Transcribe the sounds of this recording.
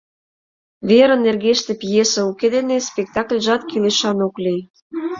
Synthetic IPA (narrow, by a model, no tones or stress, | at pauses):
βeɾə̆nːerɣeʃt̪ĕpjesə̆uked̪enespʲek̚t̪ɑklʲʒɑt̪kileʃɑnoklʲij